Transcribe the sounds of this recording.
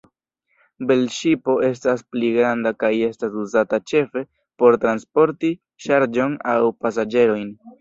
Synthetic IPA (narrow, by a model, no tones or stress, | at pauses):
belʃipo̞e̞s̬taspliɡɾandakaje̞stasuzatat͡ʃe̞fe̞ | po̞ɾtɾanspo̞ɾti | ʃaɾd͡ʒo̞nawpas̬ad͡ʒe̞ɾo̞jn